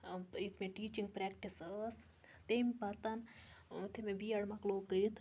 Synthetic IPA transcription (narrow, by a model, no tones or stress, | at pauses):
it̪ʰmẽʈiːt͡ʃiŋɡpɾekʈisəs | t̪embat̪ant̪ʰemẽbiːɐɽmakloːkːəɾit̪ʰ